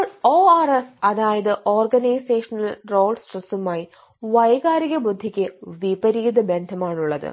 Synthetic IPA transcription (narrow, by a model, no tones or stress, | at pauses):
oːɐresɐðaːjɐðɨʔo̞ːrɡɐnɐjseːʂɐnɐlro̞ːɭɖsʈrɐsumaːji | ʋɐjɣaːɾiɣɐbud̪ʱːikʲːɨʋibɐɾiːd̪ɐbend̪ʱɐmaːɳuɭːɐðɨ̰